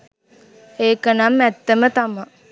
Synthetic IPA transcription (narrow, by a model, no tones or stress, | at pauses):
eːkənamːɛt̪ːəmət̪ama